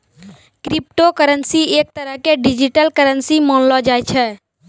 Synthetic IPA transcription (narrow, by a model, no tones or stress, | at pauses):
kɾip̚ʈokəɾənsiek̚t̪əɾəɦkeɖid͡ʒiʈəlkəɾənsimɔnlɔd͡ʒajt͡ʃʰɛ